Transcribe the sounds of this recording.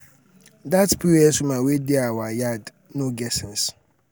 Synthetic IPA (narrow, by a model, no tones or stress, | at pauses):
datpʰiɛsʊmãwedɪawajad | nõɡɛsɪ̃n̩s